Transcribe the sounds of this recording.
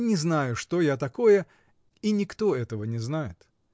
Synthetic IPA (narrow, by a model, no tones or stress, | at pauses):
nʲɪznajʊʂt̪o̞jat̪ɐko̞jə | inʲɪkt̪o̞ɛt̪əvənʲɪznajɪt̪